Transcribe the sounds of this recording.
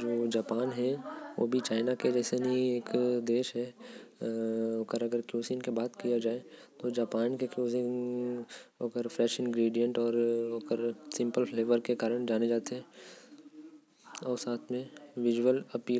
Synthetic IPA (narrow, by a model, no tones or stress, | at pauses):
d͡ʒoːd͡ʒaːpaːnɦɛʋo̰ːbʱit͡ʃaːɪnaked͡ʒɛːsenɐɦĩeːkd̪eːʃɦɛ | okəɾɐɡəɾkjuːsinkebaːt̪kijad͡ʒaːet̪od͡ʒaːpaːnkekjuːsɪn | oːkəɾfɾɛʃɪ̃nɡɾiːɖijə̃ɳʈɔːɾoːkəɾsɪ̃mpəlfleːʋəɾkekaːɾəɽ̃d͡ʒaːned͡ʒaːt̪eɦɛ | ɔːɾsaːt̪ʰmẽʋɪd͡ʒəlɐpiː